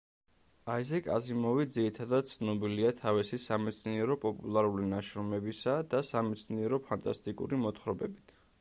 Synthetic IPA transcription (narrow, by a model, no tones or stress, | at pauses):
aizɛkʼa̰zimɔvid̪ziɾit̪ʰad̪ad̪̥̚t̪sʰnɔbiliat̪ʰavisisamɛt̪sʰniɛɾɔpʼɔpʼṵlˠaɾulinaʃɾɔmɛbisad̪asamɛt̪sʰniɛɾɔpʰant̪ʼa̰st̪ʼikʼṵɾimɔt̪χɾɔbɛbit̪ʰ